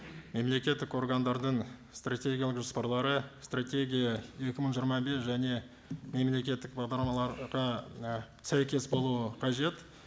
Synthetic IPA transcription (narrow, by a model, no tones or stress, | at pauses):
me̞mle̞kʲe̞t̪ːɪko̞rɡand̪ɑɾd̪əɴst̪ratʲe̞ɡʲijalˠəqʒospɑɾlˠɑɾəst̪rat̪ʲe̞ɡʲijɑje̞kʲɪməɴʒijɾmɑbe̞sʒæne̞ | me̞mle̞kʲe̞t̪ːɪk̚bɑʁd̪ɑɾmɑlˠɑɾʁɑ | sæjkʲe̞sbo̞lˠuəqʰɑʒe̞t̪